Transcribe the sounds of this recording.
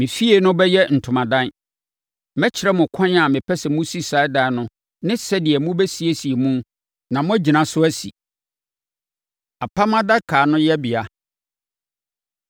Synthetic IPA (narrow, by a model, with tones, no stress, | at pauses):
mɪ̃˨fi˦e˨nʊ̃˦bɛ˦jɛ˦n̩˨tʰʊ̃˨mã˨dã˦n | mɛ˦t͡ɕʰɪ˨ɾɛ˦mʊ̃˨kʰɔ̃˦n˦a˨mɪ̃˨pʰɛ˦sɛ˨mʊ̃˦si˦sa˨˦da˨˦nʊ̃˦ | nɪ̃˦sɛ˦dɪ˨ɛ˨mʊ̃˦bɛ˦si˨˦e˦si˨e˨mũ˦n | nã˨mʊ̃˦æ˦d͡ʑi˨nã˨sʊ˦æ˦sḭ˨ | a˨pʰa˦mã˦da˦kʰaː˨nʊ̃˦jɛ˦bi˨a˨